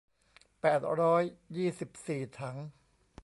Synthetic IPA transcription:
pɛː˨˩t̪̚ɾɔː˦˥jːiː˥˩si˨˩p̚siː˨˩t̪ʰa˩˦ŋ

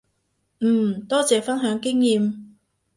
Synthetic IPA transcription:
m̩ː˨˩˨t̪ɔː˥t͡sɛː˨˧fɐ˥nɦœː˨˥ŋkɪ˥ŋjiː˨m

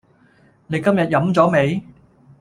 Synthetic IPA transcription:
ne˨˧jkɐ˥mjɐ˨t̚jɐ˨˧˥mt͡sɔː˨˥me˨˧j

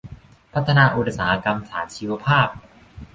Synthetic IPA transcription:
pʰa˦˥t̪ʰːa˧naː˧ʔu˧˩t̪̚saː˩˦a˧ka˧msaː˩˦t͡ɕʰiː˧wa˧pʰaː˥˩p̚

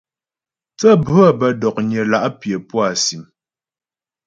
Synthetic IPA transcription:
t͡sə˦bʉ˦a˦˨bə˦dɔ˨k̚ɲə˨la˨ʔpjə˨pwa˦˨si˨m

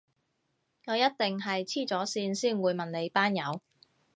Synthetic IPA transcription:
ŋɔː˨˧jɐ˥t̚t̪ɪ˨ŋɦɐ˨jt͡sʰiː˥˩t͡sɔː˨˥siː˧nsiː˥˩nwuː˨˧jmɐ˨nne˨˧jpaː˥njɐ˨˧w

